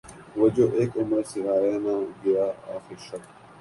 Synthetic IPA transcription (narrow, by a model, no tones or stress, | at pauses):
ʋɐd͡ʑoːʔeːkʊməɾsɪɦaːjaːnãːɡɐjaːa̰ːxiʃɐk̚